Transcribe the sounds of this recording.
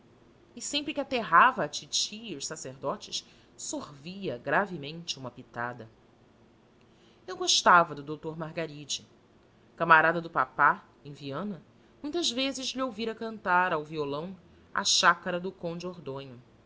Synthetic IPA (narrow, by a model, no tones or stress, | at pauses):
ɪsẽmpɾɪkʲɪat̪eɦavɐːt͡ʃit͡ʃiːʊʃsaseɾd̪ɔt͡ʃɪʃ | sohviɐɡɾavɪmẽnt͡ʃɪũmɐpit̪ad̪ɐ | ewɡoʃt̪avɐd̪ʊd̪owt̪oɾmaɦɡaɾid͡ʒɪ | kamaɾad̪ɐd̪ʊpapa | ẽviɐ̃nɐ | mũj̃t̪ɐzvezɪzʎiowviɾɐkɐ̃nt̪aɾawviolɐ̃w̃ | ɐ̰ʃakɐɾɐd̪ʊkõw̃d͡ʒɪoɾd̪õɲʊ